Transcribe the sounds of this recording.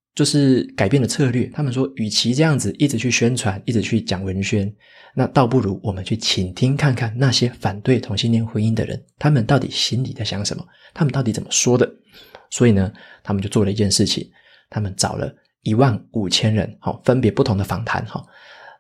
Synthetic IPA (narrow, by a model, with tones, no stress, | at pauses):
t͡ɕjo˥˧ʊʂɻ̩˥˩ka˨˩ɪpjɛ˥˩nd̪ə˩t͡sʰɤ˥˧lɥɛ˥˩t̪ʰa˥mə˨nʂwɔ˥y˨˩t͡ɕʰi˧˥ʈ͡ʂɤ˥˧jɑ˥˩ŋd͡zɹ̩˨ʔi˥˩ʈ͡ʂ̩˨˩t͡ɕʰy˥˩ɕɥɛ˥nt͡sʰwa˧˥ni˥˩ɻ̩˨˩t͡ɕʰy˥˩t͡ɕjɑ˨˩ŋwə˧˦nɕɥɛ˥n | na˥˧t̪ɑ˥˧ʊp̬u˥˩ɻu˧˥wɔ˨˩mə˨˦nt͡ɕʰy˥˩t͡ɕʰi˨˩nt̪ʰi˥ŋkʰa˥˧nkʰa˥˧nna˥˨ɕjɛ˥fa˨˩nt̪we˥˩ɪt̪ʰʊ˧˥ŋɕi˥nt̪jɛ˥nxwe˥ni˥nd̪ə̰˨˩ɻə̰˧˦nt̪ʰa˥mə˨nt̪ɑ˥˩ʊt̪i˨˩ɕi˥nli˨˩d͡za˥˩ɕjɑ˧˥ŋʂə̰˧˦nmə̰˨˩ | t̪ʰa˥mə˨nt̪ɑ˥˩t̪i˧˥t͡sə˨˩mə˦ʂwɔ˥d̪ə˨ | swɔ˧˥i˨˩nə˦t̪ʰa˥mə˨t͡ɕjo˥˧ʊt͡swɔ˥˩lə˩i˧˥t͡ɕjɛ˥˧nʂɻ̩˥˩t͡ɕʰḭ˨˦ŋ | t̪ʰa˥mə˨nt͡sɑ˨˩ʊlʔə̰˦ | i˧˥wa˥˩nu˨˩t͡ɕʰjɛ˥nɻə̰˧˦nhɔ̰˨˩fə˦npjɛ˧˥pu˥˩t̪ʰʊ˧˥ŋd̪ə˨˩fɑ˧˥ŋt̪ʰa̰˧˥˦nxɑ̰˥˩˦